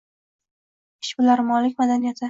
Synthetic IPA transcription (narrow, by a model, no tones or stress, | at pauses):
ɪ̥ʃbʊlaɾmɒlɪkʲmad̪anijat̪ʰɪ